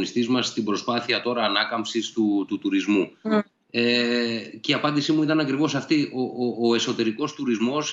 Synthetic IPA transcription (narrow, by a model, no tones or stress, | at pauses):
nist̪izmɐst̪ibɾo̞spɐθiɐt̪o̞ɾɐːnɐkɐmpsist̪ut̪ut̪uɾizmu | eceiɐpɐnd̪isimuit̪ɐnɐkɾivo̞sɐft̪io̞oːe̞so̞t̪e̞ɾiko̞st̪uɾizmo̞s